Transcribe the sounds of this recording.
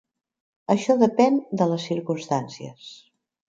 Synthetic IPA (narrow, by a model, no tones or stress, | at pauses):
əʃɔðəpɛnd̪ələsːiɾkunst̪ansiə̰s